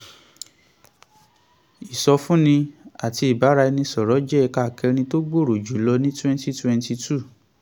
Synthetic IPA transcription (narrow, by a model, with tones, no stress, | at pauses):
i˨sɔ˧fũ˦nĩ˧a˨ti˧i˨ba˨˦ɾa˧i˧nĩ˧sɔ˨ɾɔ˨˦d͡ʒɛ˦˧˨ka˦˨kɛ˧ɾ̃ĩ˧to˦ɡ͡bo˦˨ɾo˨d͡ʒu˨˦lɔ˧nĩ˦twɛ̃˦nti˦twɛ̃˧nti˧tu˦˨